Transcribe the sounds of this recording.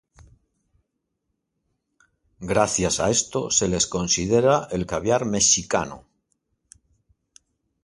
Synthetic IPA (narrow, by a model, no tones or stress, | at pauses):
ɡɾaθjasa̰e̞st̪o̞̰se̞le̞sko̞nsið̞eɾae̞lkaβjaɾme̞ʃika̰no̰